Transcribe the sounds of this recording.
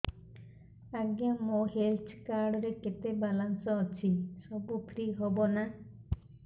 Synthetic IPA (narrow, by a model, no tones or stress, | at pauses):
aɡjamoɦelt͡ʃkaɾɽɔɾeket̪ebalansɔːt͡ʃʰisɔbupʰɾiɦobɔna